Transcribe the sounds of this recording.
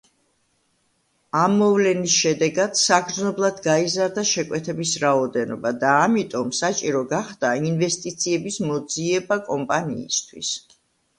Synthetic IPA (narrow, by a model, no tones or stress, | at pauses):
amːɔvlɛnisʃɛd̪ɛɡad̪̥saɡɾd̪znɔblˠad̪ɡaizaɾd̪aʃɛkʼwɛt̪ʰɛbisɾaɔd̪ɛnɔ̰bad̪aːmit̪ʼɔmsat͡ʃʼiɾɔɡaχd̪̥ainvɛst̪ʼit̪sʰiɛbismɔd̪ziɛbakʼɔmpʼanḭːst̪ʰwis